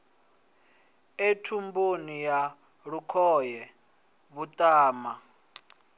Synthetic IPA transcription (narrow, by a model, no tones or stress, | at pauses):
etʰumbunija | ɺukʰɔjɛ | βutʼaːma